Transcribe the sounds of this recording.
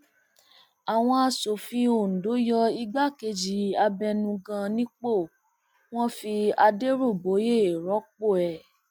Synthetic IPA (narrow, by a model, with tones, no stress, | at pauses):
a˨w̃ɔ̃˧a˧so˨fĩ˧o˨n̩˨do˨˦jɔ˧i˧ɡ͡ba˦ke˧d͡ʒi˨a˧bɛ˧nũ˧ɡã˧nĩ˦k͡po˦˨ | w̃ɔ̃˦fi˧a˧de˦ɾo˦˨bo˨˦je˦e˨ɾɔ˨˦k͡po˦˨ɛ˨